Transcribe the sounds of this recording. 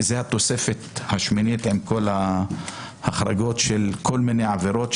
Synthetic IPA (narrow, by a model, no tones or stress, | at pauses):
zehat̪o̞sefet̪haʃminit̪ʕimko̞la | haχɾaɡo̞t̪ʃelkʰo̞lminejʕaveɾo̞t̪